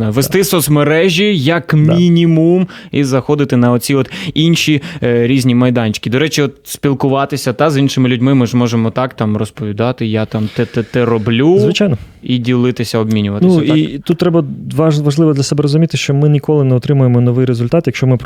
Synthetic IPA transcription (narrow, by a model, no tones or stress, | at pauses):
ɑjʊʋest̪ɪsɔsmeɾɛʒʲijɐkmʲinʲimumizɐxɔd̪ɪt̪ɪnɐɔt͡sʲiɔt̪inʃiɾʲizʲnʲimɐjd̪ɑnʲt͡ʃkʲid̪ɔɾɛt͡ʃiɔt̪sʲpʲilˠkʊʋɑt̪ɪsʲɐd̪ɑzinʃɪmɪlʲʊdʲmɪmɪʒmɔʒemɔt̪ɑkt̪ɑmrɔspɔʋʲid̪ɑt̪ɪjat̪ɑmt̪ɛt̪ɛt̪ɛɾɔblʲuzʋɪt͡ʃajnɔ | idʲilˠɪt̪ɪsʲɐɔbmʲinʲʊʋɐt̪nɪusit̪ut̪̚ːɾɛbɐʋʋɐʒlˠɪʋɔd̪lʲɐsɛbɛɾɔzʊmʲit̪ɪʃt͡ʃɔmɪnʲikɔlˠɪnɛɔt̪ɾɪmʊjemɔnɔʋɪjɾezʊlʲt̪ɑt̪jɐkʃt͡ʃɔmɪp